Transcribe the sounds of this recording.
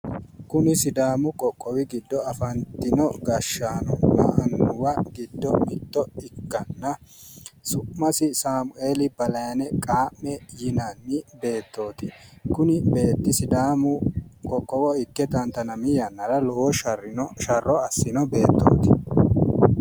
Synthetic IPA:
kʊnɪsɪd̪aːmʊkʼɔkʼːɔwɪɡɪd̪ːɔɐfɐnt̪ːɪnɔɡɐʃːaːnɔ̰mɐ̰ʔɐnːʊwɐɡɪd̪ːɔmɪd̪ːɔɪkːɐnːɐ | sʊːɐsɪsaːmʊʔe̞ːlɪbɐlɐjɐnɛkʼaːmːɛjɪnɐnːɪbe̞ːt̪ːo̞ːt̪ɪkʊnɪbe̞ːt̪ːɪsɪd̪aːmʊkʼɔkʼːɔwɔɪkːɛt̪ɐnt̪ɐnɐmɪjɐnːɐɾɐlɔwɔʃɐrɪnʃɐrːɔɐsːɪnɔbe̞ːt̪ːo̰ːt̪ɪ̥

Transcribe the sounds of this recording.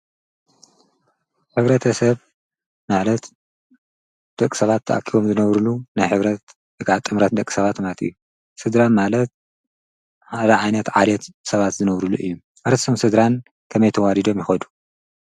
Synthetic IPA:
ħɨβɾɐt̪ʰɐsɐβ | malɐt̪ | d̪̥ɐkʼːi̥sɐβat̪ʰːɐ̰ʔa̰kʰːiβo̞mzɨnɐβɾulunajħɨβɾɐt̪ | bɨkaʕt̪ʼɨmɾɐt̪̚d̪ɐkʼːi̥sɐβat̪mat̪ɨ̰jːu | sɨd̪ɾanmalɐt̪̚ | had̪ɐʕajnɐt̪ʕalɛt̪sɐβat̪zɨnɐβɾuluʔɨjːu | ʔɨɾt̪i̥sʰomsɨd̪ɾan | kʰɐmɐjt̪ʰɐwalid̪o̞mjɪxɐd̪u̥

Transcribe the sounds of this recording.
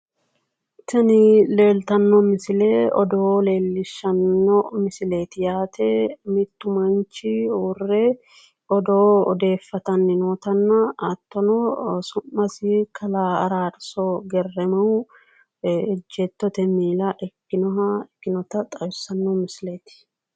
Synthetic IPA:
t̪ʰɛnɪle̞ːlt̪ɐnːɔmɪsɪleːɔd̪ɔle̞ːlːɪʃːɐnːɔmɪsɪle̞ːt̪ɪjaːt̪ʰemɪt̪ːʊmɐnt͡ʃɪurːɛ | ɔd̪oːd̪e̞ːfːɐt̪ɐnːɪnoːt̪ɐnːɐɐt̪ːɔnɔsʊmːɐsɪkʰɐlaːɐɾaːᶑsɔɡɛrːɛmɐw | ɪd͡ʒːɛt̪ːɔt̪ɛmiːlɐʔɛkːɪnɔɦɐɛkːɪnɔt̪ɐt̪ʼɐjʊsɐnːɔmɪsɪleːt̪ɪ̥

